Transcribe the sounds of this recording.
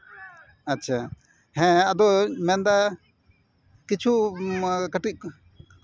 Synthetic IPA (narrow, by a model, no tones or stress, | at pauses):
atːt͡ʃʰa | hɛ̃ad̪ɔmɛnd̪a | kit͡ʃʰuakəʈiʔ̚k